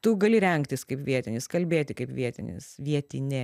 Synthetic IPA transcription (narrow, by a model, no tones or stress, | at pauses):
t̪ʊɡɐlʲɪɾʲɛŋkt̪ʲɪskɐɪpʋʲiɛt̪ʲɪnʲɪskɐlʲbʲeːt̪ʲɪkɐɪpʋʲiɛt̪ʲɪnʲɪ̰sʋʲiɛt̪ʲɪnʲɛ